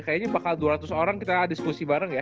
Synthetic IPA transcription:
kajaɲabakalduaɾat̪ʊsoɾaŋkit̪aːdiskusibaɾəŋja

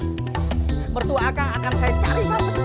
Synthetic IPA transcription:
mərt̪uakaŋakansajat͡ʃaɾisapat̪̚

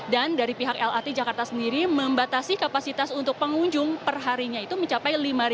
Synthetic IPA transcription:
dandaɾipiɦakɛlat̪ed͡ʒakart̪asəndiɾiməmbat̪asikapasit̪asunt̪ʊk̚pəŋuɲd͡ʒʊŋpərɦaɾiɲait̪uməɲt͡ʃapajlimaɾi

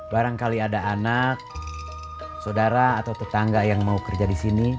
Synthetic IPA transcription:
baɾaŋkaliadaːnak̚ | sodaɾaːt̪awt̪ət̪aŋɡajaŋmaukərd͡ʒadisini

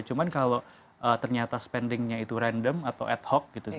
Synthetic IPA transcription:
t͡ʃumankalo | ʔət̪ərɲat̪asə̥pɛndɪŋɲait̪uɾandəmat̪awʔɛt̪̚hɔk̚ɡit̪u

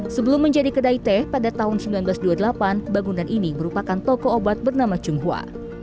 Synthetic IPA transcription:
səbəlʊmːəɲd͡ʒadikədait̪ɛpadat̪aɦʊnsəmbilanbəlasduadəlapanbaŋunanʔiniməɾupakant̪ɔkɔːbat̪̚bərnamat͡ʃumɦua̰

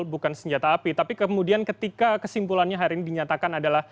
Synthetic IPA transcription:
lbukansəɲd͡ʒat̪aːpit̪apikəmudiankət̪ikakəsimpulanɲaɦaɾiinidiɲat̪akanadalah

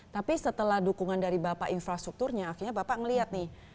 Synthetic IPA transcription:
t̪apisət̪əlahdukuŋandaɾibapaʔinfɾast̪ɾuk̚t̪urɲaːxirɲabapaŋəliɦat̪̚nɪh

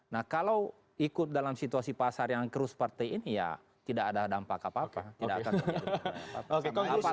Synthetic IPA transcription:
nahkalaw | ikʊt̪̚dalamsit̪uasipasarjaŋkəɾʊspart̪ajinija̰ | t̪idakadadampakapapat̪idakːkan | a̰oaapa

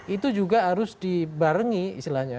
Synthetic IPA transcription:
ʔit̪ud͡ʒuɡaɦaɾʊsdibaɾəŋiḭst̪ilahɲa

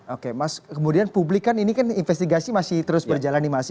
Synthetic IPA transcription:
okemaskəmudianpublikaninikaninfɛst̪iɡasimasɪht̪əɾʊsbərd͡ʒalanimas

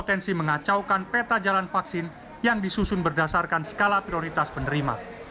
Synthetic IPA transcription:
ot̪ɛnsiməŋat͡ʃawkanpet̪ad͡ʒalanfaksɪn | jaŋdisusʊnbərdasarkansə̥kalapɾioɾit̪aspənəɾima̰

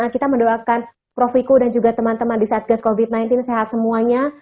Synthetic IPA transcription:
akit̪aməndoakan | pɾofikudand͡ʒuɡat̪əmant̪əmandisaʔat̪̚ɡaskovit̪̚najnt̪ɪnseɦat̪̚səmuaɲa

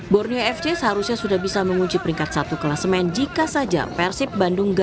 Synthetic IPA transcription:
bɔrnioɛfdeshaɾusɲasudahbisaməŋuɲt͡ʃipəɾiŋkat̪̚sat̪ukəlasəmaɛnd͡ʒikasad͡ʒa̰pɛrsɪp̚bandʊŋɡ

